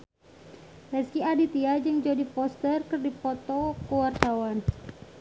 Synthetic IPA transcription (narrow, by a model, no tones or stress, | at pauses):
rɛskiadit̪iad͡ʒɨŋd͡ʒodipɔst̪ərkərdipɔt̪ɔkəwart̪awan